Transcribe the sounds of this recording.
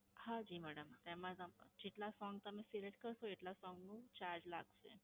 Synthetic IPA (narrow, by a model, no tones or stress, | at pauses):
had͡ʑiːmæɽəmt̪ɛmad͡zamd͡ʑiʈlasɔŋɡ̚t̪əmẽseɾeʈkəɾsoeʈlasɔŋɡnũt͡ɕaɾd͡ʑla̰ɡsḛ